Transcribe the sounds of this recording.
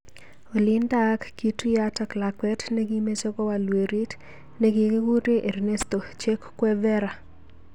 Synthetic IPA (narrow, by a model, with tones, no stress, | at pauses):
o˨li˦nda˦kːi˨tu˦ja˦ta˨kla˨kwɛ˦tne˦ɡi˦me˦t͡ʃɔ˦kɔ˦wa˨lwe˨ɾi˦t | ne˨˦ɡi˨ɡe˦ɡu˦ɾe˦ʔe˨ɾne˦sto˨t͡ʃe˦kkwɛ˦vɛ˦ɾa˨